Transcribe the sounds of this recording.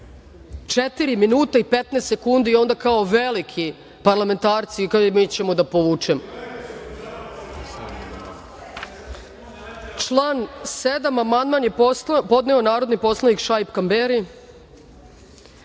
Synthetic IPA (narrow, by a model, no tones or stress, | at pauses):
t͡ʃet̪iɾiminuːt̪aipet̪nest̪sekund̪io̞nd̪akaoʋelikʰi | paɾlˠame̞nt̪aːɾt̪sikamit͡ɕe̞mod̪apoʋuːt͡ʂemo | t͡ʃlˠaːnsed̪amamand̪manjepo̞d̪nɛonaːɾo̞d̪nipo̞slˠanikʃajpkambeɾi